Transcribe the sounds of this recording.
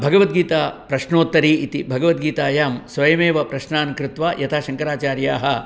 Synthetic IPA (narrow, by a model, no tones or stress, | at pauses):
bʱɐɡɐʋɐt̪̚ɡiːt̪aːpɾɐʃnoːt̪ːɐɾiːit̪ibʱɐɡɐʋɐt̪̚ɡiːt̪aːjaːmsʋɐjɐmeːʋɐpɾɐʃnaːnkɾɪt̪ʋaːjɐt̪ʰaːʃɐŋkɐɾaːt͡ʃaːɾjaːɦɐ̆